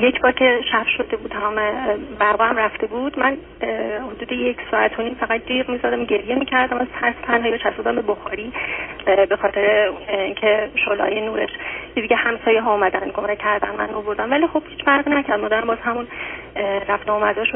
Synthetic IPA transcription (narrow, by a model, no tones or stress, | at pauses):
jecʰbɒːɾcʰe̞ʃæfʃo̞d̪ebuːd̪hæmebæɾbɒːæmræft̪e̞buːd̪̥mæn | hod̪uːd̪ejecʰsɒːæt̪ʰoniːmfæɣæt̪̚d̪iːʁmizɒd̪æmɟe̞ɾjemiːcʰæɾd̪æmæzt̪ʰæɾft̪ʰænhɒːjibet͡ʃʰæst̪bud̪æmbe̞boxɒːɾiː | be̞xɒːt̪ʰe̞ɾeincʰeʃolɒ̰jenuːɾeʃcʰed̪iɟʲehæmsɒːjeɦɒumæd̪ænd̪ɡo̞mɾecʰæɾd̪æ̰nmæ̰novo̞ɾd̪æmvælixo̞b̥hiːt͡ʃfæɾʁinæcʰæɾd̪mɒːd̪æɾæmbɒːz̥ɦæmun | ɾæft̪eomæd̪ɒʃo